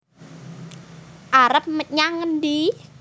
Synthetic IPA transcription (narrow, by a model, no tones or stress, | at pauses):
ʔaɾəp̚məɲaŋːənd̪i